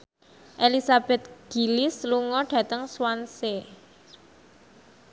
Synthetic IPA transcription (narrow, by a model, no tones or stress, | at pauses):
ʔelisab̥ɛ̤t̪̚ɡ̥i̤lɪsluŋɔɖ̥ä̤t̪əŋswanse